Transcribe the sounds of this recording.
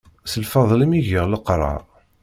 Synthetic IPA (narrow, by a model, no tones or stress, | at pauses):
səlfɑðˤlimiʝəʁləqɾˤɑ̰ɾˤ